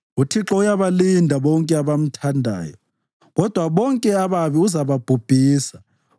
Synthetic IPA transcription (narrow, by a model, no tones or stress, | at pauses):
utʰiǁɔujaβalindʱaβɔŋkʼɛaβam̩tʰandʱa̰ːjɔ | ɣɔd̥ʱwaβɔŋkʼɛaβaβiuzaβab̥ʱub̥ʱiːsa